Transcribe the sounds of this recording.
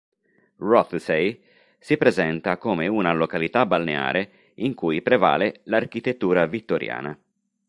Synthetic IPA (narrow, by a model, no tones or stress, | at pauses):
rɔt̪sej | sipɾezɛnt̪akoːmeunalokalit̪abalnḛa̰ːɾʔe | iŋkujpɾeva̰ːlelarkit̪et̪ːuːɾavit̪ːoɾja̰ːna